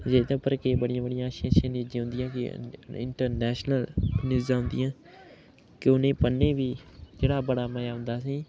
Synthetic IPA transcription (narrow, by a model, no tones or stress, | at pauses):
d͡ʒeːt̪apəɾkeːbəɽɪjãːbəɽɪjãːʃãːʃãːnid͡ʒẽːɦʊ̃nd̪ɪjãːkɪ̰ɪ̰ɳʈəɾnɛːʃnəlnɪzãːɦʊ̃nd̪ɪjãː | kɪʊnẽːpənːẽːʋiːd͡ʒeːɽaːbəɽaːməjaːɦʊ̃nd̪aːsiː